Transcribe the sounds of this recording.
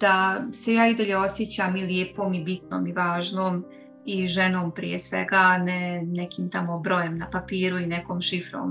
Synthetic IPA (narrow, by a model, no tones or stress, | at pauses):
d̪̥asejaːid̪aʎeo̞sjet͡ɕaːmiljeːpoːmibit̪no̰ːmiʋaːʒnoːm | iʒeno̞ːmpɾḭjesʋḛɡaːnɛnɛkiːmt̪amobɾo̞jemnapapiːɾuinɛkoːmʃifɾo̰ːm